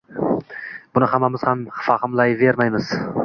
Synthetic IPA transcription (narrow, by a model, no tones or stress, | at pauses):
b̥ʊnɪhamːamɪz̥hamfahɨmlˠajve̞ɾmajmɪz̥